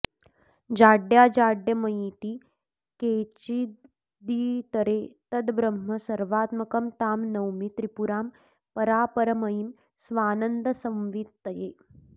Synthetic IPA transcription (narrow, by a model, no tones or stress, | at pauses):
d͡ʒaːɖjaːd͡ʒaːɖjɐmɐjit̪iː | keːt͡ʃi | d̪iːt̪ɐɾeːt̪ɐd̪bɾɐmːɐsɐɾʋaːt̪mɐkɐmt̪aːmnɐwmit̪ɾipuɾaːm | pɐɾaːpɐɾɐmɐjim | sʋaːnənd̪ɐsɐ̃mʋit̪t̪ɐjeː